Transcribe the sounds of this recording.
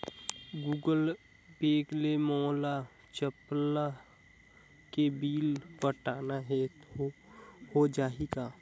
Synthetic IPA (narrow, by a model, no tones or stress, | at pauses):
ɡuːɡəl | beːɡlemɔːla | t͡ʃəpla | kebiːlpəʈaːnaɦɛ | hod͡ʒaːiɡaː